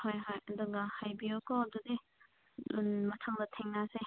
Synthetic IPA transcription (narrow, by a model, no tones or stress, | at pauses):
hajɦajd̪uŋɡahajbiokɔdude | nmɐtʰaŋdɐtʰeŋnase